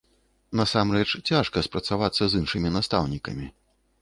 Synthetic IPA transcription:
nɐsamɾɛt͡ʂt͡sʲaʂkɐspɾɐt̪savat̪sːɐzɨnʂɨmʲinast̪awnʲikɐ̰mʲi

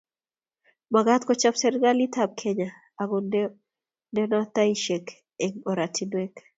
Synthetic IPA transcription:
maɡat̪kɔt͡ʃapsɛɾɡalit̪ʰab̚kʰeɲa | aɡʊn | ndɛnat̪aiʃek | eŋɔɾatʰinwek

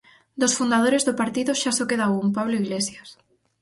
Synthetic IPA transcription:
d̪osfund̪að̞oɾezðopaɾt̪iðoʃasokeðaumpaβloiɣlesjas

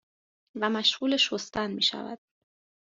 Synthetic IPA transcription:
væmæʃɢuːle̞ʃost̪ʰænmḭːʃæ̰væ̰d̪̥

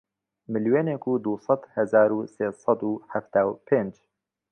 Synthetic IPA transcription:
mɨljoːneːkʰuːd̪uːsˤɑd̪hɛzaːɾuːseːsˤɑd̪uːħaft̪aːwpʰeːnd͡ʒ

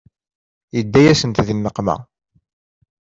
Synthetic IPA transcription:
jəd̪ːæjæsənt̪ðinːəqːmæ̰

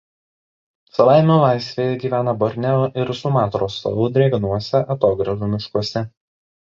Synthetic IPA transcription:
sɐlˠɑˑɪmʲoːlˠɑɪsʲʋʲeːjɛɡʲiːʋʲæːnɐbɔɾʲnʲɛoʔɪɾsʊmɑːt̪ɾoːst̪o̰lˠʊd̪ʲɾʲeːɡnuɔsʲɛʔɐt̪oːɡɾɐʒumʲɪʃkuɔsʲɛ

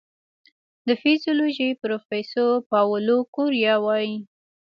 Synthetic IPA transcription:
d̪əfizjoloʒipɾofesoɾpɑwəlokʊɾjɑwɑji

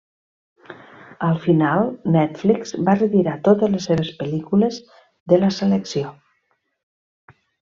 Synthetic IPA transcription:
əlˠfinalˠnɛt̪flikz̥barət̪iɾat̪ot̪əzləsːeβ̞əspəlikulez | ðələseleksio

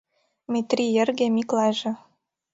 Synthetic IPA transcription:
mʲit̪rʲijĕrɣemiklɑʒĕ

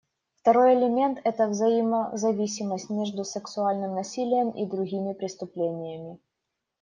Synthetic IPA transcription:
ft̪ɐɾojɛlʲɪmʲe̞nt̪ɛt̪əvzɐiməzɐvʲisʲɪməsʲtʲmʲeʐd̪ʊsɨksʊalʲnɨmnɐsʲilʲɪjəmḭd̪ɾʊɣʲimʲɪpɾʲɪst̪ʊplʲenʲɪjəmʲɪ

